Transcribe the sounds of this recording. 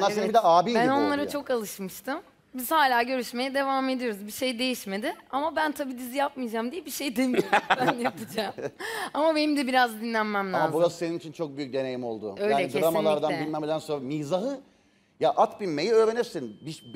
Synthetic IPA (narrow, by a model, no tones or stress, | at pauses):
nːˠaɾsenibid̪ɛʔaːbiːæno̞nlˠaɾat͡ʃʰo̞kalˠɯʃmɯʃt̪ʰɯm | biz̥haːlʲaːɟø̞ɾyʃme̞jɛd̪e̞vaːme̞d̪ijo̞ɾuzbiʃe̞jd̪e̞jiʃmed̪ɪamabænt̪ʰabiːd̪izijap̚mɯjd͡ʒamd̪ijɛbiʃe̞jd̪emijoɾbænjapɯd͡ʒaːmamabe̞nimd̪ɛbiɾazd̪inlʲænmæmlʲamazbuɾaseninit͡ʃʰint͡ʃʰo̞k̚byjyc̚d̪e̞ne̞jimo̞lˠd̪ʊ̰øjlaeiɯeɾamalˠaaɾd̪annbilʲmemed̪ænso̞nɾamizaɦɯ | jaʔat̪binme̞jiø̞ːɾenɛɾsenbiʃ